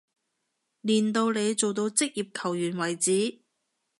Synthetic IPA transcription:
liː˨˩nt̪o˧wle˨˧jt͡so˨wt̪o˧wt͡sɪ˥k̚jiː˨p̚kʰɐ˨˩wjyː˨˩nwɐ˨˩jt͡siː˨˥

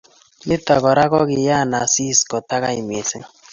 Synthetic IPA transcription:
ni˦tɔ˨kɔ˨ɾa˦kɔ˦ɡɪ˨ja˦˨na˨si˦˨skɔ˨ta˦ka̰˦i˨mi˨e˨se˦ŋ

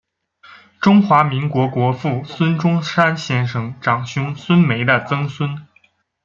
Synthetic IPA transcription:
ʈ͡ʂʊ˥ŋxwa˧˥mi˧˥ŋkwɔ˧˥kwɔ˧˥fu˥˩swə˥nʈ͡ʂʊ˥ŋʂa˥nɕjɛ˥nʂɤ˧˩ŋʈ͡ʂɑ˨˩ŋɕjʊ˥ŋswə˥nme˧˥ɪd̪ə˧t͡sɤ˥ŋswə˥n

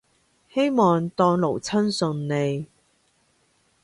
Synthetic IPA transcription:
he˥jmɔː˨ŋt̪ɔː˧ŋlo˨˩wt͡sʰɐ˥nsɵ˨˧nne˨˧j

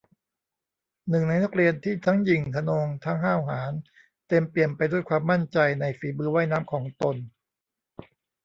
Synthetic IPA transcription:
nɯ˨˩ŋna˧jna˦˥˩k̚ɾi˧ənt̪ʰiː˥˩t̪ʰa˦˥ŋji˨˩ŋk̪ʰa˧noː˧ŋt̪ʰa˦˥ŋɦaː˥˩wɦaː˩˦n | t̪e˧mpli˨˩ənpa˧jduː˥˩jkʰwaː˧mːa˥˩nt͡ɕa˧jna˧jfiː˩˦bɯː˧wa˥˩jnaː˦˥mkʰɔː˩˦ŋt̪o˧n

